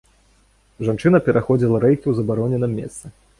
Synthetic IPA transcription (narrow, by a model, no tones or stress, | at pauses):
ʐant͡ʂɨnɐpʲɛɾʔaxɔd͡zʲilˠɐɾɛjkʲiwzɐbaɾɔnʲɛnɨmːʲɛ̰st̪sɨ